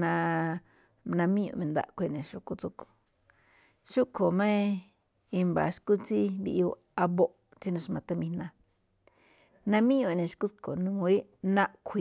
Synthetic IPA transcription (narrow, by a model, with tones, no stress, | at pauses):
nã˧ | nã˧mĩ˦ṵ̃˧˨mẽ˧nd̪a̰˧˨kʷi˧˨nẽ˨ʃu˧ku˧t͡su˧ku̥˨ | ʃu˦kʰo˨mẽ˦ | i˧mba̰˨ʃku˦t͡si˦βḭ˧ʔi˧u˧ | a˧βo˦ʔ | t͡si˦nã˧ʂ̬mã˧t̪a˦mĩ˧nã˧ | nã˧mĩ˦õ˧˨nẽ˨˧ʃku˦t͡sko˨nũ˧mõ˧i˦ | nã˦˧ʔkʷʰi˧